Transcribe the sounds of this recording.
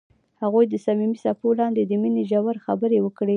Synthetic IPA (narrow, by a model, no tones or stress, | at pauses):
haɣujd̪əsamimisapolɑnd̪ed̪əmineʒawaɾxabəɾewəkɽe